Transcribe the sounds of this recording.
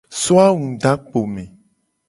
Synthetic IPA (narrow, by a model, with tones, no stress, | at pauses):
so˦a˦wũ˨ɖa˦k͡po˨mẽ˨